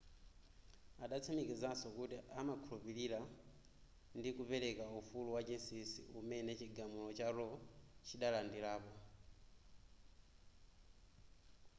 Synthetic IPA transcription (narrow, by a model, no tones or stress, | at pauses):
aɗat͡sʰamikizasɔkutiamakʰulupiɾiɾa | ndikupɛɾɛkaufuluwad͡ʒinsisḭumɛnɛt͡ʃiɡamulɔt͡ʃaɾɔt͡ʃiɗalandilaːpɔ